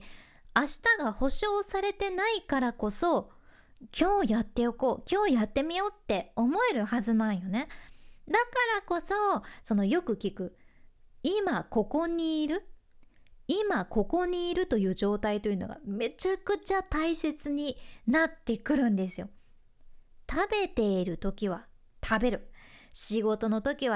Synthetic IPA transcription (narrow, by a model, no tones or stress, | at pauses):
aɕi̥t̪aɡaho̞ɕo̞ːsaɾe̞t̪e̞naikaɾako̞so̞ | kʲʰo̞ːjat̪ːe̞oko̞ːkʲo̞ːjat̪ːe̞mʲijo̞ːt̪ːe̞o̞mo̞e̞ɾɯ̟hazɨnãɰ̃jo̞ne̞d̪akaɾako̞so̞so̞no̞jo̞kɯ̟kʲikɯ̟ | imako̞ko̞ɲ̟iːɾɯ̟ | imako̞ko̞ɲ̟iːɾɯ̟t̪o̞jɯ̟ːʑo̞ːt̪ait̪o̞jɯ̟noɡa̰me̞t͡ɕakɯ̟t͡ɕat̪aise̞t͡sɨɲ̟inat̪ːe̞kɯ̟ɾɯ̟̃nd̪e̞sɨjo̞ | t̪abe̞t̪e̞iɾɯ̟t̪o̞kʲiβ̞a | t̪ʰabe̞ɾɯ̟ɕiɡo̞t̪o̞no̞t̪o̞kʲiβ̞a